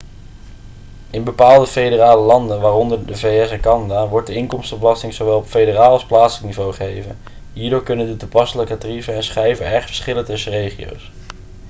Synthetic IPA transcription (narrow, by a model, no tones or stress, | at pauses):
ɪnbəpaːlˠdəfejdəraːləlɑndənʋaːrɔndəɹdəvejɛsɛnkɑnadaːʋɔɹt̚dəɪŋkɔmstɔblɑstɪŋzowʋɛlˠɔpfejdəraːlˠɑsplaːtsələknivowχəejvə̰n | ɦiːɹdoːɹkɵnəndətupɑsələkətrivəɛnsχrɛjvənɛɹχtfə̥ɹsχɪləntɵsərejχio̰ws